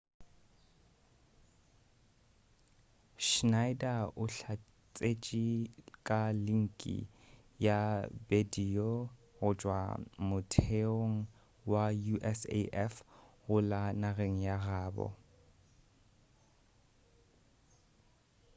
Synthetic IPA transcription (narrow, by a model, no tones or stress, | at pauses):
ʃnajdaʊɬa | t͡sʼet͡ʃʼikʼaliŋ̩kʼḭ | jabediɔ | ɣʊt͡ʃʼwa̰mʊtʰeoŋ̩ | wajuʔɛsḛʔɛfɣʊlanaɣeŋ̩jaɣaːbɔ̰